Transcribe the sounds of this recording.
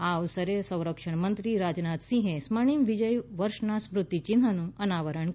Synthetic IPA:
awsəɾesə̃w̃ɾəkʂəɳmənt̪ɾiːɾad͡ʑnat̪sĩɦẽsməɳ̃iːmʋid͡ʑəjʋəɾʂɳasmɾut̪ːit͡ɕind̪ʱənũənaʋəɾəɳ

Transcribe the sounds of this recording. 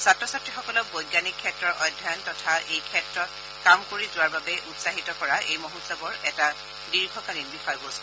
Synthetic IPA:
satɹɔsatːɹixɔkɔlɔk̚bɔjɡjanikʰːɛtɹɔɹʔɔ̰jdʱːaɔntɔtʰaʔejkʰɛtɹɔt | kamkoɹizʊwaɹbabɛʔutsaɦitɔkɔɹaʔejmɔɦutsabɔɹɛta | diɹɡʱɔkalinbixajbos

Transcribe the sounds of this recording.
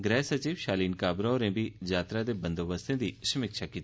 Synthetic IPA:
ɡɾɛːsət͡ʃiːʋʃaːliːnkaːbɾaoɾẽbʱid͡ʒaːt̪ɾad̪ebə̃nd̪oːbəst̪ẽd̪isɐmɪkʃakiːt̪i

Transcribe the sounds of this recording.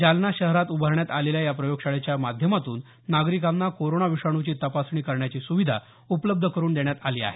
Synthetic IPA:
d͡ʑalnaɕəɦɾat̪ubʱəɾɳjat̪aleljajapɾəjoɡɕaɭet͡ɕjamad̪ʱjəmat̪uːnː | aɡɾikanːakoɾonaʋiʂaɽ̃ut͡ɕiːt̪əpasɳiːkəɾɳjat͡ɕiːsuʋid̪ʱa̰ | upləb̚d̪ʱəkəɾuːnd̪eɳjat̪aliːa̰ɦe

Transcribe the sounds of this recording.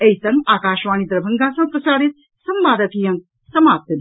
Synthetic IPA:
ɐjsɐŋaːkaːʃʋaːnid̪ɾɐbʱɐŋɡaːsɐmpɾɐt͡ʃaːɾit̪̚ | sɐmʋaːd̪ɐt̪iːjɐŋ | sɐmaːp̚t̪ɐd̪

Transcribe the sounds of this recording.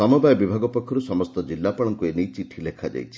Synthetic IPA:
ɔmɔbajɔbibʱaɡɔpɔkʰːɔɾusɔmɔst̪ɔd͡ʒilːapɔɭ̃ɔŋkuenijt͡ʃiʈʰilekʰad͡ʒa̰jt͡ʃʰi

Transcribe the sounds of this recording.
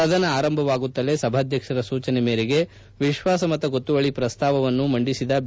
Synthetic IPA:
ɐd̪ʱɐnɐaːɾɐmbʱɐʋaːɡut̪ːɐle̞sɐbʱaːd̪ʱjɐkʂɐɾɐsuːt͡ʃɐnemeːɾeɡe̞ | ʋiʃʋaːsɐmɐt̪ːɐɡot̪ːuʋɐɭipɾɐst̪aːʋɐʋɐnːumɐɳɖisid̪ɐ

